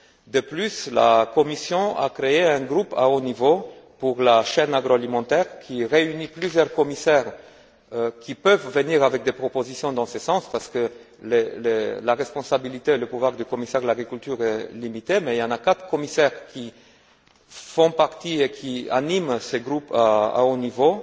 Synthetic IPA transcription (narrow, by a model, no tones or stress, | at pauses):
d̪əplysla̰kɔmisjɔ̃a̰kχeeɛ̃ɡʁupa̰onivopuʁlaʃɛnaɡʁoalimɑ̃t̪ɛʁkʲʰiʁeyniplyzjœʁkɔmisɛʁ | kʲipəvːəniʁavɛk̚d̪epχɔpozisjɔ̃d̪ɑ̃səsɑ̃spaʁsə̥kə | lelelaʁɛspɔ̃sabilit̪eːləpuvwaʁd̪ykɔmisɛʁlaɡʁikʲylt̪yʁɛlimit̪emɛiljɑ̃nakat̪χə̥kɔmisɛʁkʲi | fɔ̃paʁt̪iekʲʰia̰nimseɡʁupaa̰onivo